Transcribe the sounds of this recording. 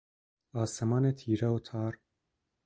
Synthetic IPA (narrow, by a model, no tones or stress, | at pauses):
ɑːsɛmɑːnet̪ʰiːɾawut̪ʰɑːɾ